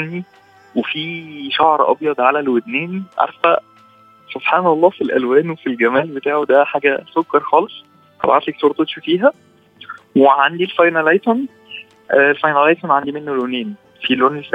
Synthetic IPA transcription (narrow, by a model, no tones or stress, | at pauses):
nːi | wefiːʃɑʕɾˤʔɑ̰bjɑd̪ˤʕalælwed̪næːniʕɑ̰ɾˤfbæ | sˤob̥ħɑːnɑlˤːɑːfilʔæ̰lwæːnwefilɡæmæːlbet̪aːʕod̪æħaːɡæsokːɑɾˤxɑːlesˤ | t̪ɑ̰bʕat̪leksoɾt̪ˤeʃfiːɦæ | weʕand̪ilfɑjnælɑjt̪on | ʔlfɑjnælɑjt̪onʕand̪imenːoloniːn | filoni